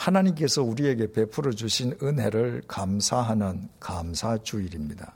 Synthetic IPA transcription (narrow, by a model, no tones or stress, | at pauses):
hanaɲimk̬͈e̞sʰʌuɾie̞ɡe̞pe̞pʰuɾʌd͡ʑuɕʰinɯnɦe̞ɾɯɭkamsʰaɦanɯnkamsʰat͡ɕuiɾimɲida